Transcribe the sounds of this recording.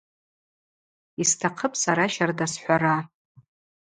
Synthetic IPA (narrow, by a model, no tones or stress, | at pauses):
istʰaqʰəpʼsaɾaʃardasħʷaɾa